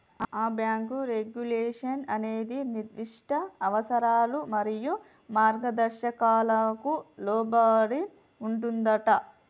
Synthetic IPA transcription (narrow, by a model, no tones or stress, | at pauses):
aːbjaːŋkuɾeɡjuleːʂɐnɐne̞ːd̪iniɾd̪iʂʈɐɐʋɐsɐɾaːlumɐɾiju | maːɾɡɐd̪ɐɾʃɐkaːlɐkulɔːbaːɽi | uɳʈund̪ɐʈɐ